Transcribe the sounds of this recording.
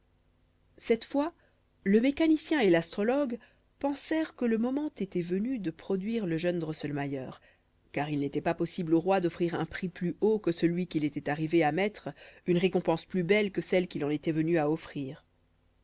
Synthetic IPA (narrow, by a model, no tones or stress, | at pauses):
sɛt̪fwa | ləmekanisjɛ̃elast̪χɔlɔɡ | pɑ̃sɛʁkələmɔmɑ̃t̪et̪ɛvənyd̪əpχɔd̪ɥiʁləʒœnd̪ʁɔsəlmajœːʁ | kaʁilnet̪ɛpapɔsibloʁwad̪ɔfχiʁɛ̃pχiplyokəsəlɥikʲilet̪ɛt̪aʁiveamɛt̪χynʁekɔ̃pɑ̃splybɛlkəsɛlkʲilɑ̃net̪ɛvənyaɔfχiːʁ